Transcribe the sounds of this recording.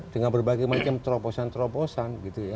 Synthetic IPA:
t̪əŋabərbaɡajmat͡ʃamt̪ɾoposant̪ɾoposanɡit̪uja

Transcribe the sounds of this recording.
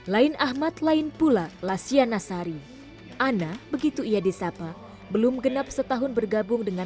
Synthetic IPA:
laɪnʔahmat̪laɪnpulalasianasaɾi | ʔanabəɡit̪uijadisapa | bəlʊmɡənap̚sət̪aɦʊnbərɡabʊŋdəŋa

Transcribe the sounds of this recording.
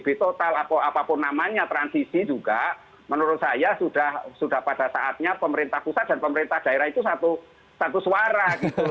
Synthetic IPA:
b̥it̪ot̪alapaapapʊnːamaɲat̪ɾansisid͡ʒuɡ̥a | mənuɾʊt̪̚sajasud̥ahsud̥ahpad̥asaʔat̪̚ɲapəməɾint̪ahpusat̪̚d̥a̤npəməɾint̪ahd̥aeɾahit̪usat̪u | sat̪usuwaɾaɡit̪u

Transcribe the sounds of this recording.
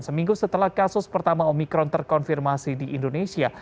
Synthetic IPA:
nsəmĩŋɡusət̪əlahkasʊspərt̪amaomikɾɔnt̪ərkɔnfirmasidiʔːndonesia

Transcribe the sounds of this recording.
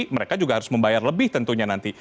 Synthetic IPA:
məɾekad͡ʒuɡahaɾʊsməmbajarləbɪht̪ənt̪uɲanant̪i

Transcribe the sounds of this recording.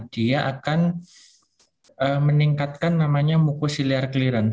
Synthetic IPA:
d̥iaʔakan | ʔəməniŋkat̪̚kanːamaɲamukusiliarkəliɾan

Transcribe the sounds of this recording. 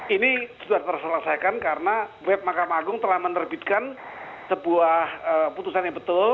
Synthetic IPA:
inisudarp̪ərsələsajkankaɾənawɛp̚makamaɡʊŋt̪əlahmənərbit̪̚kan | səbuahəput̪usanjaŋbət̪ʊl

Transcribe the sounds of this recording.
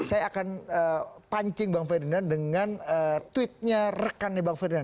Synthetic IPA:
sajaːkanəpaɲt͡ʃɪŋbaŋferinardəŋanət̪wɪt̪̚ɲarəkanːibaŋfeɾdinar

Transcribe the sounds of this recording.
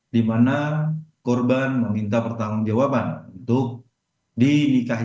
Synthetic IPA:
dimanakɔrbanməmint̪apərt̪aŋund͡ʒawapanunt̪ʊk̚ | dinika

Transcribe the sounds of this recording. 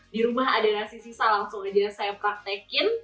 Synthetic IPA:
diɾumaɦadalahsisisalaŋsʊŋad͡ʒasajapɾak̚t̪ɛkɪn

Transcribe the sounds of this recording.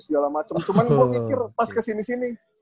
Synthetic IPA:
sɡalahmat͡ʃəmt͡ʃumankuafikɪrpaskəsinisini

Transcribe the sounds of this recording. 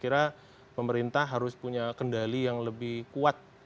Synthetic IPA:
kiɾa | pəməɾint̪ahɦaɾʊspuɲakəndalijaŋləbɪhkuat̪̚

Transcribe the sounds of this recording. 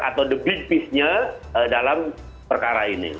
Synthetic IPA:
a̰t̪awdəbipɪsɲaədalam | pərkaɾainḭ

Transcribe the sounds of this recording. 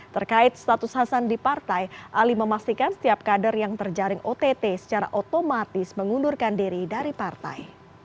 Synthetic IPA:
t̪ərkaɪt̪̚st̪at̪ʊshasandipart̪ajʔaliməmast̪ikansə̥t̪iap̚kadərjaŋt̪ərd͡ʒaɾɪŋot̪et̪esə̥t͡ʃaɾa̰ʔot̪omat̪ɪsməŋundurkandiɾidaɾipart̪a̰j

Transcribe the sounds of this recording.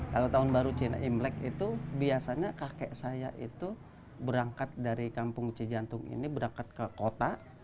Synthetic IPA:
kalot̪aɦʊnbaɾut͡ʃina̰ʔimlɛkit̪ubiasaɲakakɛʔsaja̰ʔḭt̪u | bəɾaŋkat̪̚daɾikampʊŋt͡ʃəd͡ʒant̪ʊŋḭnibəɾaŋkat̪̚kəkot̪aʔ

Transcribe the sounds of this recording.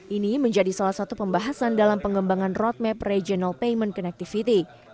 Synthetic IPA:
ʔiniməɲd͡ʒadisalahsat̪upəmbaɦasandalampəŋɡəmbaŋanrɔt̪̚mɛprɛd͡ʒɔnalpejmənkɔnɛk̚t̪ifit̪i

